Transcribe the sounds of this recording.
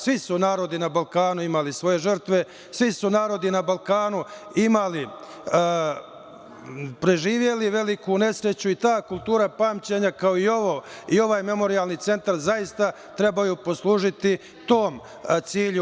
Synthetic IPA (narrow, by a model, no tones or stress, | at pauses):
sʋisunaːɾo̞d̪inabalkaːnuimalisʋo̞je̞ʒərt̪ʋe̞ | sʋisunaːɾo̞d̪inabalˠkaːnuimali | pɾe̞ʒiːʋje̞liʋe̞likune̞sɾe̞t͡ɕuit̪aːkulˠt̪uːɾapaːmt͡ɕe̞ɲakao̞io̞ʋoːio̞ʋaːjme̞mo̞ɾijalniːt̪se̞nt̪aɾzajist̪a | t̪ɾe̞bajupo̞slˠuːʒit̪i | t̪o̞ːm | t̪siːʎu